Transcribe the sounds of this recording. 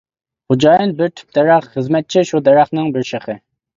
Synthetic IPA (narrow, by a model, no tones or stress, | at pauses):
χʊd͡ʒɑːjɨnbɪɾt̪ʰy̥p̚d̪ɛɾɑχχəzmɛt̪̚t͡ʃʰiʃud̪ɛɾɑχnɪŋbɪɾʃeχɨ